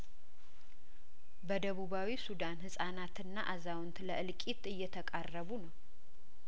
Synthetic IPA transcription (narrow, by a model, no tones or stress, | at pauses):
bəd̪əβuβawisud̪anhɨsʼanat̪ɨnːaʔazawʊnt̪ləʔɨlkʼit̪ɨjːɛt̪ʰəkʼarːəβunəw